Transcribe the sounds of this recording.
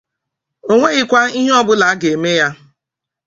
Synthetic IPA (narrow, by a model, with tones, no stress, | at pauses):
o˦ŋʷe˦ɣɪ˦kʷa˦i˦ɦe˦ɔ˦bʊ˦la˨a˦ɡe˨e˨me˦ja˦